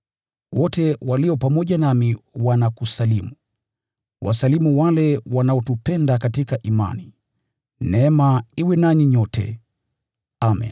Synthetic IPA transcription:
wɔtɛwaliɔpamɔʄanamiwanakusalimu | wʔa̰salimuwalɛwanaɔtupɛndakatikaʔima̰ni | nɛɛmaiwɛnaɲiɲɔtʰɛ̰ | amḭn

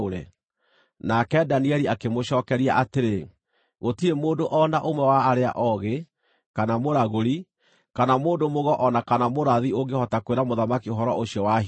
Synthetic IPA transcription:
ɾḛ | nakɛdaniɛɾiakemoʃɔːkɛɾiaʔateɾe | ɣotiɾemoːndoʔɔnaʔomwɛwaːɾea̰ʔɔɣe | kanamoɾaɣoɾi | kanamoːndomoɣɔʔɔnakanamoɾaðioŋɡehɔtakweɾamoðamakioɦɔɾɔ̰ʔoɕjɔwa

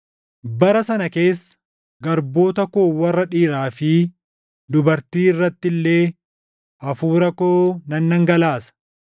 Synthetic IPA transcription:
bɐɾɐsɐnɐke̞ːsːɐ̥ | ɡɐɾbo̞ːt̪ɐkoːwɐrːɐᶑiːɾaːfɪ | d̪ʊbɐɾt̪iːɪrːɐt̪ːɪlːe̞ː | ɐfuːɾɐkoːnɐnːɐŋɡɐlaːsɐ̥

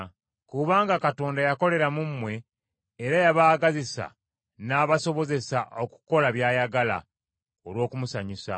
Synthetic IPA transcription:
kuβaːŋɡakato̞ːndajako̞le̞ɾamumːwe̞ː | ɾajaβaːɡazisa̰ | naːβaso̞βo̞ze̞saʔo̞ku̥ko̞laβjaːjaɡala̰ | o̞lwo̞ːkumusaɲisa̰

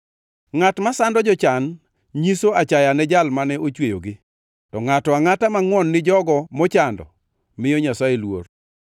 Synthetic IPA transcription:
ŋatmasandɔd͡ʒɔt͡ʃan | ɲisoat͡ʃajanɛd͡ʒalmanɛot͡ʃwejo̰ɡɪ | tɔŋatɔaŋatamaŋwɔnːɪd͡ʒɔɡɔmɔt͡ʃandɔ̰ | mɪjɔɲasaelwo̰r

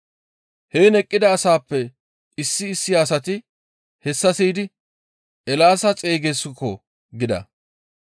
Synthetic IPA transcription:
heːnɛkʼːɪd̪ɐːsaːpːɛ | ɪsːɪːsːɪjaːsɐt̪ɪ | hɛsːɐsiːd̪ɪ | ʔɛlaːsɐt͡sʼe̞ːɡesɪkːɔ | ɡɪd̪ɐ̰

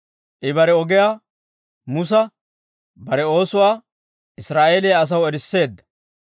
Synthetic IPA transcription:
ʔɪbɐɾɛɔɡɪjaː | mʊs̬ɐ | bɐɾɛo̞ːsʊwaː | ʔɪsɾaːʔe̞ːlɪjaɐs̬ɐwɛɾɪsːe̞ːd̪ːɐ̥

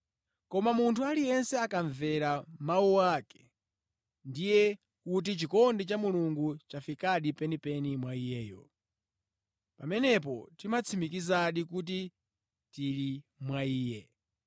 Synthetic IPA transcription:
kɔmamuntʰualijɛnsɛakaɱvɛɾamawuwakɛ̥ | ndijɛ | kut̬it͡ʃikɔndit͡ʃamuluŋɡut͡ʃafikaɗipɛnipɛnimwaijɛːjɔ̰ | pamɛnɛp̬ɔtimat͡sʰimikizaɗikut̬i | tilimwaiːjɛ

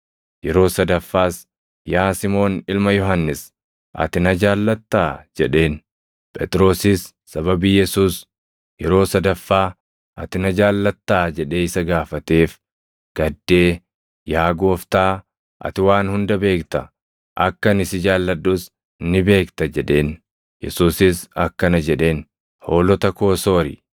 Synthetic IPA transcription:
jɛɾo̞ːsɐd̪ɐfːaːs | jaːsɪmo̞ːnɪlmɐjɔɦɐnːɪs | ʔɐ̰t̪ɪnɐd͡ʒaːlːɐt̪ːaːd͡ʒɛᶑe̞ːn | pʼɛt̪ʼɪɾo̞ːsɪsː | ɐbɐbiːjɛsuːs | jɛɾo̞ːsɐd̪ɐfːaː | ʔɐt̪ɪnɐd͡ʒaːlːɐt̪ːaːd͡ʒɛᶑe̞ːɪsɐɡaːfɐt̪e̞ːf | ɡ̥ɐd̪ːe̞ː | jaːɡo̞ːft̪aː | ʔɐ̰t̪ɪwaːnhʊnd̪ɐbe̞ːkt̪ɐ | ʔɐkːɐnɪsɪd͡ʒaːlːɐɗːuːs | nːɪbe̞ːkt̪ɐd͡ʒɛᶑe̞ːn | jɛ̰suːsɪsɐkːɐnɐd͡ʒɛᶑe̞ːn | ho̞ːlɔt̪ɐko̞ːso̞ːɾɪ̰

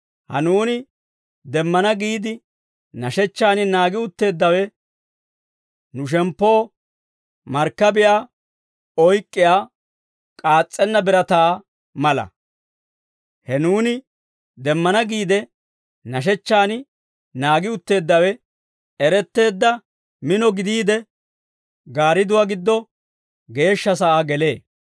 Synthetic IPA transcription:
hɐ̰nuːnɪ | d̪ɛmːɐnɐɡiːd̪ɪ | nɐʃɛt͡ʃːaːnɪnaːɡɪʊt̪ːe̞ːd̪ːɐwɛ | nʊʃ̬ɛmpːo̞ː | mɐɾkːɐbɪjaː | ɔjkʼːɪjaː | kʼaːt͡sʼːɛnːɐbɪɾɐt̪aː | mɐlɐ̰ | hɛnuːnɪ | d̪ɛmːɐnɐɡiːd̪ɛ | nɐʃ̬ɛt͡ʃːaːnɪ | naːɡɪʊt̪ːe̞ːd̪ːɐwɛ | ɛɾɛt̪ːe̞ːd̪ːɐ | mɪnɔɡɪd̪iːd̪ɛ | ɡaːɾɪd̪ʊwaːɡɪd̪ːɔ | ɡe̞ːʃːɐsɐʔaːɡɛle̞ː

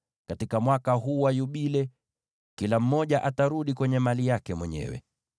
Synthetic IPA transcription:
katikamwakaɦuːwajuɓilɛ | kilam̩mɔʄaʔataɾuɗikwɛɲɛmalijakɛmwɛɲɛ̰wɛ̰

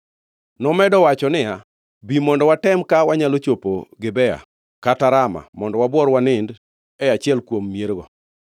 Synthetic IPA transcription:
nɔmɛdɔwat͡ʃɔnɪa | bimɔndɔwatɛmkawaɲalot͡ʃopo̰ɡɪbɛa̰ | kataɾama̰mɔndɔwabwɔɾwanɪnd | ɛat͡ʃɪɛlkwomːjeɾɡɔ

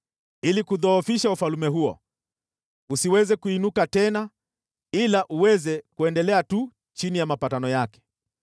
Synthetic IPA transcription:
ilikuðɔːfiʃaufalumɛɦuɔ̰ | usiwɛzɛkuinukatɛna | ilaʔuwɛzɛkuɛndɛlɛatu | t͡ʃinijamapatanɔjakɛ̥

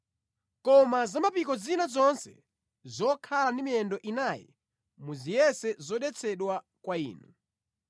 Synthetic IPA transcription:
kɔmazamapikɔzinazɔnsɛ̰ | zɔkʰalandimiɛndɔʔinajɛ̰ | muzijɛsɛzɔɗɛt͡sʰɛɗwa | kwaḭːnu

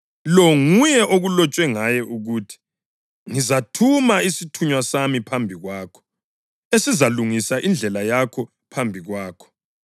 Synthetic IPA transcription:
lɔŋujɛʔoɣulɔt͡ʃʼwɛŋajɛʔuɣutʰi̥ | ŋizatʰumaisitʰuɲwasamipʰambʱiɣwaːkʰɔ̥ | esizaluŋisaʔind͡ɮʱɛlajakʰɔ | pʰambʱiɣwaːkʰɔ̥

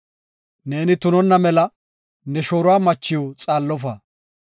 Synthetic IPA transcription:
ne̞ːnɪt̪ʊnɔnːɐmɛlɐ | nɛʃoːɾʊwaːmɐt͡ʃːɪjot͡sʼaːlːɔf̬ɐ

